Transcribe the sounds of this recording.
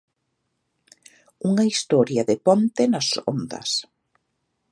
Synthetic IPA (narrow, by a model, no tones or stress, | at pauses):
uŋɐist̪ɔɾjɐðepont̪enaso̰nd̪ɐ̰s